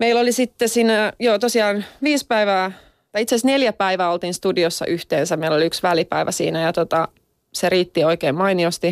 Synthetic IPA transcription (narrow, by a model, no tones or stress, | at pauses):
meilːolisit̪ːesiːnæjoːt̪osiɑːnʋiːspæiʋæː | t̪ɑiit̪seæsneljæpæiʋæːolt̪iːnst̪udiosːɑ̰ʔyht̪eːnsæmeiloliyksʋælipæ̰iʋʔæ̰sḭːnæjɑt̪ot̪ɑ | seriːt̪ːioikeːmmɑiniost̪i